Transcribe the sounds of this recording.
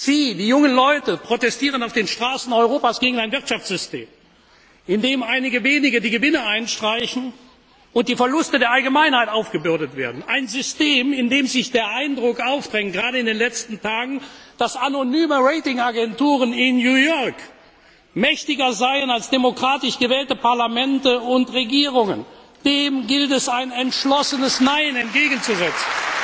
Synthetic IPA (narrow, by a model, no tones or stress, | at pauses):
z̥iːdiːjʊŋənlɔʏtəpʁ̥otɛstiːʁənaʊfd̥eːnʃtʁ̥aːsn̩ɔʏʁoːpaːsɡ̥eːɡŋ̩aɪnvɪɐtʃaft͡ssz̥ʏstḛːm | ʔɪndeːmʔaɪnɪɡəveːnɪɡədiːɡəvɪnəʔaɪnʃtʁ̥aɪçn̩ | ʊnt̚d̥iːfɛɐlʊstədeːɐʔalɡəmaɪnhaɪtaʊfɡ̥əbʏɐdətv̥ḛːɐdn̩ʔaɪnzʏsteːmɪndeːmzɪçd̥eːɐʔaɪndʁʊkʔaʊfd̥ʁɛŋənɡʁaːɾəɪndeːnlɛt͡stn̩tʰaːɡŋ̩d̥asanonyːməʁɛɪtɪŋaɡɛntuːʁənɪnjuːjɔɐk | mɛçtɪɡɐzaɪənalsd̥emokʁ̥aːtɪʃɡ̥əvɛːltəpaɐlamɛntəʊntʁeɡiːʁ̞ʊŋə̰n | d̥eːmɡɪltɛsaɪnɛntʃlɔsənəsnaɪənɛnt̚ɡ̥eːɡən̩t͡suzɛt͡sn̩